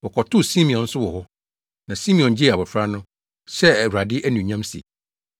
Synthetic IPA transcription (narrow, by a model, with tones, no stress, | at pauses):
ɔ˨kʰɔ˨tʰʊ˦si˦mĩ˨ɔ̃˨n̩˦sʊ˦wɔ˨hɔ˦ | nã˨si˦mĩ˨ɔ̃˨nd͡ʑi˦ɛ˨a˨bɔ˨fɾa˦nʊ̃˦ | sɛ˦˨ɾu˨a˨dɪ˦ʔæ˦nũ˨ɲã˦msḭ˨